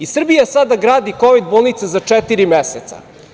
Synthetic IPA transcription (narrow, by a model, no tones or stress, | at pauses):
isr̩bijasad̪aɡɾaːd̪iko̞ʋid̪̚boːlˠnit̪sazat͡ʂɛt̪iɾimeset̪sa̰